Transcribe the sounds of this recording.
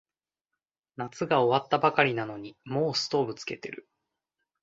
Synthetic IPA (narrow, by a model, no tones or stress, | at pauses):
nat͡sɨɡao̞βat̪ːabakaɾʲinano̞ɲ̟imo̞ːsɨ̥t̪o̞ːbɯ̟t͡sɨ̥ke̞t̪e̞̰ɾɯ̟̰